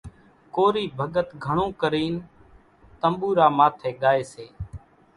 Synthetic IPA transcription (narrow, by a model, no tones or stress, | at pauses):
koːɾiːbʱəɠət̪ɡʱəɳõːkəɾiːn | t̪əmbuːɾaːmaːt̪ʰeːɠaːeːseː